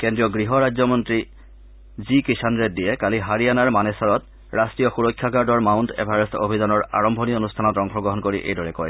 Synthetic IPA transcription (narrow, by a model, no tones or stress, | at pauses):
kendɹijɔɡɹiɦɔɹad͡ʑzɔmɔntɹi | zikisanɹet̚diɛkaliɦaɹijanaɹmanɛsaɹɔt | ɹastɹijɔxuɹɔkʰːjakaɹdɔɹmawntʰɛ̰paɹɔsto̰bʱizanɔɹa̰ɹɔmbʱonionustʰanɔtɔŋkʰɔɡɹɔɦɔnkoɹiʔḛjdɔɹɛkɔ̰j